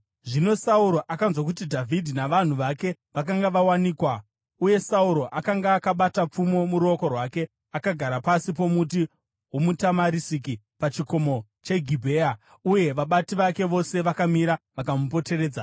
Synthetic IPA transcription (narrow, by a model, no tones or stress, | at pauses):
ʐino̞sauɾo̞ʔakanzwak̬utidʱavʱidʱinaʋan̤uʋake̞ | ʋak̬aŋɡaʋawaniːkwa | uje̞sauɾo̞ʔakaŋɡaːkaɓatap͡fumo̞muɾuoko̞rwaːke̞ | akaɡʱaɾapasip̬o̞mut̬i | ɦumutamaɾisik̬i | pat͡ʃiko̞mo̞ | t͡ʃe̞ɡʱibʱe̞a | uje̞ʋaɓatiʋake̞ʋo̞se̞ʋakamiɾaʋakamupo̞te̞re̞ːd͡za